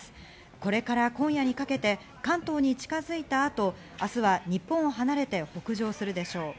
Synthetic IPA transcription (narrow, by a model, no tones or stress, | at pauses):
sɨ̥ | ko̞ɾe̞kaɾakõɰ̃jaɲ̟ikake̞t̪e̞ | kãnt̪o̞ːɲ̟it͡ɕi̥kazɨit̪aːt̪o̞ | asɨβaɲ̟ipːõɰ̃oɦanaɾe̞t̪e̞ho̞kɯ̟ʑo̞ːsɨɾɯ̟d̪e̞ɕo̞ː